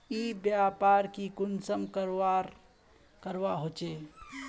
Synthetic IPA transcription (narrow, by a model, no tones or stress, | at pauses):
ibjaːpaːɾkikʊnsəmkəɾaɾ | kəɾʋaɦot͡ʃeː